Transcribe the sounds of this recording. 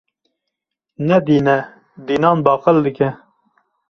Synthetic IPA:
nɛd̪iːnɛ | d̪iːnɑːnbɑːqəld̪ɨkɛ

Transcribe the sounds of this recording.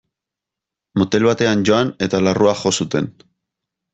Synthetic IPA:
mot̪e̞lβat̪e̞anʝo̞ane̞t̪alaruaxo̞sut̪e̞n

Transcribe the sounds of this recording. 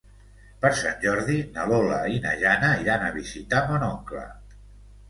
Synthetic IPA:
pəɾsanʲʒɔɾðinəlolə̰inə̰ʒanəiɾanəβizit̪amonɔŋklə̰

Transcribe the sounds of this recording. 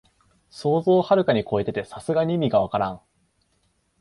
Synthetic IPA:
so̞ːzo̞ːhaɾɯ̟kaɲ̟iko̞e̞t̪e̞t̪e̞sasɨɡaɲʲimʲiɡaβ̞akaɾãŋ̃

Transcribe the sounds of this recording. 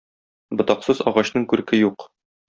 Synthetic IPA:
bŏt̪ɑqsɤzɒ̰ʁɑɕn̪ɤŋkʉɾkɘjuq

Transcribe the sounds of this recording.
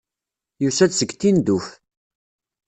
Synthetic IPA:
jusæθsəɡt̪ːind̪uf

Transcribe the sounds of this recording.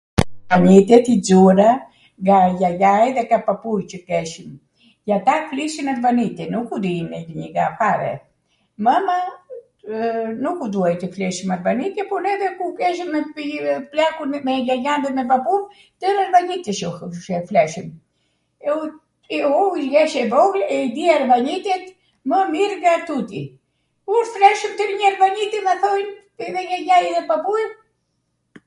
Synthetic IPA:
kaɲit̪ɛt̪id͡zuɾa | ɡajajajðɛkapapujt͡ʃəkɛʃim | jat̪afliʃinat̪vanit̪ɛnukud̪inɛɡiɲiɡapaɾɛ̰ | mama | nukud̪uajt̪əflɛʃimat̪vanit̪ɛpɔnɛðɛkukɛʃimːɛiplakunmɛjajand̪ɛt̪mɛpapuv | t̪əɾaɾvaɲit̪iʃuʃɛflɛʃim | ɛu | ɔilɡɛʃɛvɔɡlɛid̪iaɾvanit̪ɛt̪ | məmiɾɡat̪ut̪ḭ | kuɾflɛʃəmt̪əɾɲaɾvaɲit̪imaθɔjn | ɛðɛlaɲajɛðɛpapuj

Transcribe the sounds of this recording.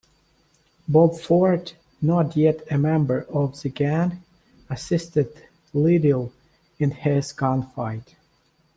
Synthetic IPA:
bɔbfɔɹt | nətjɛɾɨmɛ̃mbə˞ʌvðɨɡæ̃n | əsɪstɨd | lɪɾɪlˠ | ɨ̃nhɪz̥kɑ̃nfaɪt

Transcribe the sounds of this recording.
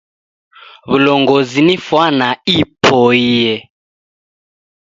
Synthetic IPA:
βulɔŋɡɔzinifwanaipʰɔijɛ

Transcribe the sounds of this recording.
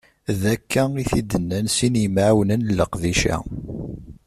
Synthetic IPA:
ðækʰːæiθid̪ːənːænsinmʕwnənləqðiʃæ̰

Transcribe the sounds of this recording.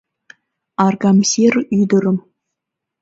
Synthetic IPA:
ɑrɡɑmsʲeryd̪ə̆ɾə̆m

